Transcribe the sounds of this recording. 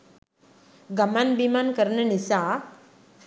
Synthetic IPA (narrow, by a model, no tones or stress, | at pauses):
ɡəmanbimankəɾɳənisa